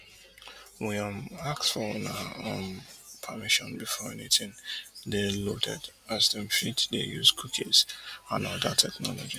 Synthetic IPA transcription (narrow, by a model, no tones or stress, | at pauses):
wiãmaksfɔlnaʌmpʰəmɪʃɔ̃nbifɔɛ̰nitɪ̃ndelotʰɛ̰d | azdə̃mfitdḛjuzkʰukʰizãnɔdətʰɛknɔ̰lɔd͡ʒi